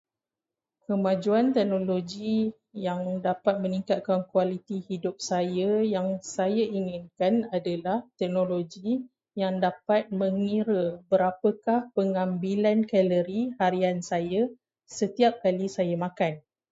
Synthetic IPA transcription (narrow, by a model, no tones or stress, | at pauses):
kəmãd͡ʒuant̪ɛk̚nõloɡi | jaŋdapat̪̚mə̃nĩŋkat̪̚kankwalit̪ihidʊp̚sajajaŋsajaʔiŋɪnkanadalaht̪ɛk̚nõloɡi | jaŋdapat̪̚mə̃ŋiɾəbəɾapəkahpəŋãmbilankɛləɾihaɾiansaja | sət̪iap̚kalisajamãkan